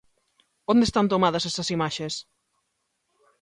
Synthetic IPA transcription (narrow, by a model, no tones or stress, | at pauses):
õnd̪est̪ant̪omaðɐsɛsɐsimaʃes